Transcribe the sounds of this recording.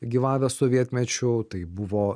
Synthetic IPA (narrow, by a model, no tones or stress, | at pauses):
ɡʲiʋɑːʋʲɛsoːʋʲiɛt̪ʲmʲɛt͡ʃʲʊt̪ɐɪbʊʋoː